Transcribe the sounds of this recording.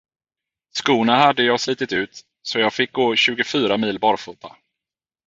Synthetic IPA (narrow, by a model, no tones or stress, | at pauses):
skuːnahad̪ːəjɑːɡsliːt̪ɪt̪ʉ̟ːt̪ | sɔjɑːɡfɪk̚ɡoːɕʉ̟ːɡʊfyːɾamiːlbɑːɾfuːt̪ʰa